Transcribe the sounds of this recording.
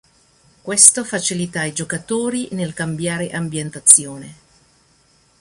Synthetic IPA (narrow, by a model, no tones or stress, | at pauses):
kwest̪ofat͡ʃilit̪aid͡ʒokat̪oːɾinelkambjaːɾeʔambjent̪at̪sːjoːne